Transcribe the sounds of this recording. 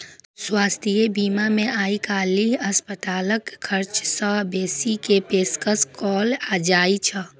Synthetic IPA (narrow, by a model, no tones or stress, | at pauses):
swaːst̪ʰijebiːmamẽaːikaːliɐspət̪aːləkkʰːəɾt͡ʃsəbeːsikepeːskəskɔːlaːd͡ʒaːit͡ʃʰə